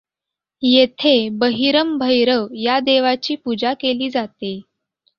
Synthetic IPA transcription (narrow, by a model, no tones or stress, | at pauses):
jet̪ʰebəɦiɾəmbʱəjɾəʋjad̪eʋat͡ɕiːpud͡ʑakeliːd͡zat̪e